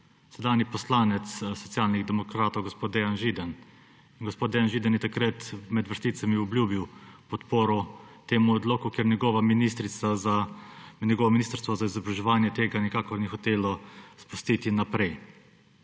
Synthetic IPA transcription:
sɛd̪aːnipɔslaːnɛt̪ssɔt̪sʲjaːlniɣd̪ɛmɔkɾaːt̪owɡospoːd̪̚d̪ejanʒid̪ən | inɡospod̪d̪ɛjanʒiːd̪ɛnjɛt̪akɾət̪mɛd̪ʋəɾst̪iːt̪samiɔbljuːbiwpɔt̪poːɾɔt̪eːmuɔd̪loːkukeɾnʲɛɡɔːʋaminist̪ɾit̪saanʲɛɡɔːʋɔminiːst̪əɾst̪ʋɔzaizɔbɾaʒɛʋaːnjɛt̪eːɡanikaːkɔɾnixɔt̪eːlɔspust̪iːt̪inapɾɛj

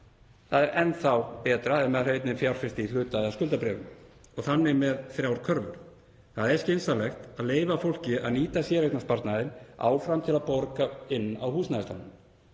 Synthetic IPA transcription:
θaðɛɾɛnːθawpɛːt̪ɾaɛnmɛðr̥œɥt̪nɪnfjawɾ̥fɪst̪ɪilʏːt̪aðɪaskʏlt̪apɾɛːvʏm | ɔɣθanːɪmɛðθɾjaːwɾ̥kʰœɾvʏ̰ɾ̥ | θaðɾɛscɪnsalɛxt̪aðleːjvafowl̥cɪa̰ðniːt̪asjɛːɾetnaspaɾt̪naðɪna̰ːwfɾamt̪ʰɪlaðpoɾkaɪnːa̰whuːsnaðɪslanʏm

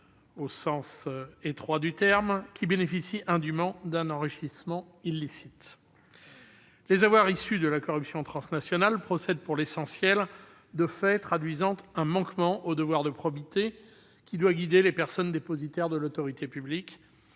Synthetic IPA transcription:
osɑ̃set̪χwad̪yt̪ɛʁmkʲibenefisiʔɛ̃d̪ymɑ̃d̪ɛ̃nɑ̃ʁiʃismɑ̃ | ilːisit̪ | lezavwaʁisyd̪əlakɔʁypsjɔ̃t̪χɑ̃snasjɔnalpχɔsɛd̪̚puʁlesɑ̃sjɛl | d̪əfɛt̪χad̪ɥizɑ̃t̪ɛ̃mɑ̃kmɑ̃ʔod̪əvwaʁd̪əpχɔbit̪e | kʲid̪waɡʲid̪elepɛʁsɔnd̪epozit̪ɛʁd̪əlot̪ɔʁit̪epyblikʲ

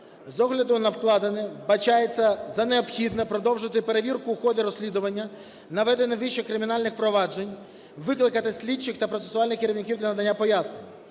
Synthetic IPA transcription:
zɔɦlʲɐd̪ʊnɐwklˠɑd̪enɪʋbɐt͡ʃajet͡sʲːɐzɐneɔbxʲid̪nɛpɾɔd̪ɔwʒɪt̪ɪpe̞ɾeʋʲirkʊːxɔd̪ɪɾɔsʲlʲid̪ʊʋɐnʲːɐ | nɐʋɛd̪enɪʋiʃɛkɾɪmʲinɑlʲnɪxpɾɔʋɑd͡ʒenʲ | ʋɪklˠɪkɐt̪ɪsʲlʲit͡ʃːɪxt̪ɐpɾɔt̪sesʊɑlʲnɪxkeɾʲiwnʲɪkʲiwd̪lʲɐnɐd̪ɐnʲːapɔjasnenʲ

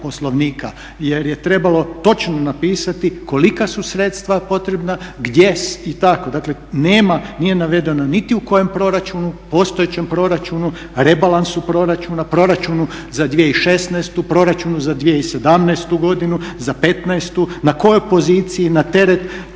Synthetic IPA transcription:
po̞slˠo̞ʋniːka | jeɾje̞t̪ɾe̞balo̞t̪o̞t͡ʃnonapiːsat̪iko̞likasusɾet̪st̪ʋapo̞t̪ɾe̞bnaɡd̪jesit̪ako̞d̪akle̞neːmanije̞naʋe̞d̪e̞nanit̪iuko̞je̞mpɾo̞ɾat͡ʃunupo̞ːst̪ojet͡ɕe̞mpɾo̞ɾat͡ʃunu | ɾe̞balansupɾo̞ɾat͡ʃunapɾo̞ɾat͡ʃunuzad̪ʋieiʃe̞snɛst̪upɾo̞ɾat͡ʃunuzad̪ʋieise̞d̪amnaest̪uɡo̞d̪inuzape̞t̪naest̪unako̞jojpo̞ziːt̪sijinat̪e̞ɾet̪

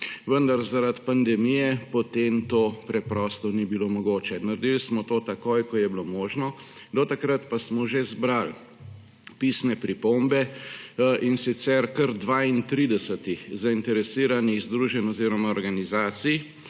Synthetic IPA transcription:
ʋənd̪aɾzaɾat̪pand̪ɛmijɛpɔt̪emt̪oːpɾɛpɾɔst̪ɔnibilomɔɡoːt͡ʃɛnaɾd̪ilsmɔt̪oːt̪akoːjkɔjɛblomoːʒnɔ | d̪ɔt̪akɾat̪pasmɔʒezbɾal | piːsnɛpɾipombɛ | insit̪sɛɾkəɾd̪ʋaint̪ɾiːd̪ɛsət̪ixzaint̪ɛɾɛsiːɾaniɣzd̪ɾuʒɛnɔziːɾɔmaɔɾɡanizaːt̪sij

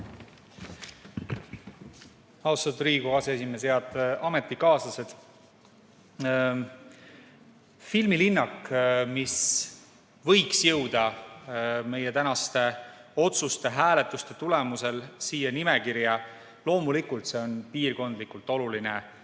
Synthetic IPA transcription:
ɑwsɑt̪ːuɾiːɡ̥uɑseesimesjeɑd̪ɑme̞t̪ˑːikɑːsɑse̞d̪̥ | filmilinːɑkmis | vɤ̞jksjɤwd̪̥ɑ | me̞jet̪ænɑst̪e̞o̞t̪sust̪e̞ɦæːle̞t̪ːˑust̪e̞t̪ulemuse̞lsiːjɑnimekiɾjɑ | lo̞ːmulikult̪se̞o̞npiːrko̞nd̪̥likult̪ˑo̞luline

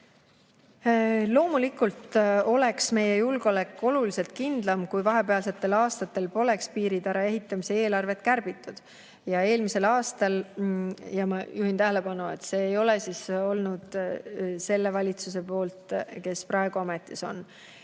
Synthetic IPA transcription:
lo̞ːmulikːˑult̪ˑo̞le̞ksme̞je̞julɡ̥olækːo̞lulise̞lt̪̚kind̪̥lɑmkujvɑɦe̞peɑlse̞t̪ˑːe̞lɑːst̪ɑt̪ːˑe̞lpo̞le̞kspiːɾid̪̥æɾɑe̞ɦit̪ˑːɑmise̞e̞ːlɑrve̞t̪kærb̥it̪ˑːud̪̥ | jɑe̞ːlmise̞lɑːst̪ɑl | jɑmɑjʔuhint̪æɦele̞pɑnue̞̰t̪ːse̞ːjo̞le̞siso̞lnud̪̥ | se̞lːe̞vɑlʲit̪suse̞po̞ːlt̪ke̞sprɑeɡ̥uɑme̞t̪ˑːiso̞̰n

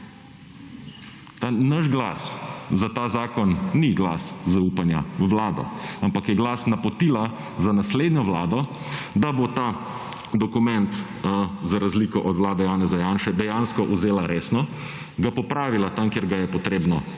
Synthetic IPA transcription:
t̪anaʃɡla̰szat̪aːzaːkɔnːiɡla̰szaupanja̰wlaːd̪ɔ̰ampakjɛɡlaːsnapɔt̪iːla | zanasleːd̪njɔwlaːd̪ɔ | d̪abot̪aː | d̪ɔkumɛnt̪ | zaɾazliːkɔʔɔt̪wlaːd̪ɛjaːnɛzajaːnʃɛd̪ɛjanskɔʔuzeːlaɾeːsnɔ | ɡapɔpɾaːʋilat̪amkeɾɡajɛpɔt̪ɾeːbnɔ

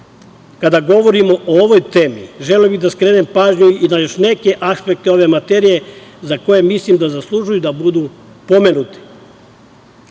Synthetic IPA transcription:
kad̪aɡo̞ʋo̞ɾimo̞ʔooʋojt̪e̞ːmiʒeleobid̪askɾe̞ːne̞mpaːʒɲuinajo̞ʃne̞ke̞ʔaspe̞k̚t̪e̞o̞ʋe̞mat̪eɾije̞zako̞je̞mislimd̪azaslˠuʒujud̪abud̪u | po̞me̞nut̪i̥

